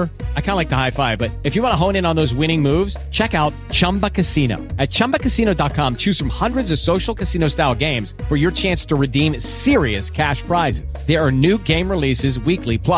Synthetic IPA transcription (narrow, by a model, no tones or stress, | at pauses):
aɪkʰãnlaɪk̚ðəhaɪfaɪvbʌɾɨfjɨwɑ̃ñəɦõʊ̃ñɨ̃nə̃nðoʊzwɪ̃ɾ̃ɪ̃ŋmuvz̥t͡ʃʰɛkaʊt̚ | t͡ʃʰʌ̃mbəkʰɨsĩno̰ʊɨt̚t͡ʃʰʌ̃mbɨkɨsĩñoʊdɑt̚kʰɑ̃mt͡ʃʰʉz̥fɹʌ̃mhʌ̃ndɹɨdzʌv̥soʊʃl̩ˠkʰɨsĩñoʊstaɪlˠɡẽɪ̃mz̥fə˞jə˞t͡ʃʰæ̃nstʰəɹɨdĩmsɪɹiɨskʰæʃpʰɹ̥aɪzɪz̥ðə˞ːnʉɡẽɪ̃mɹɪlisɨzwiklipʰl̥ʌ